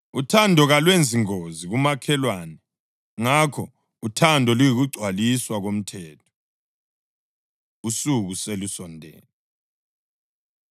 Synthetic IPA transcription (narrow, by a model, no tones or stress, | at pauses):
utʰandʱɔɣalwend͡zʱiŋoziɣumakʰɛlwaːnɛ | ŋakʰɔ | utʰandʱɔlujiɣuɡ͡ǀʱwaliswaɣom̩tʰɛːtʰɔ̥ | usuɣuselusɔndʱɛ̰ːnɛ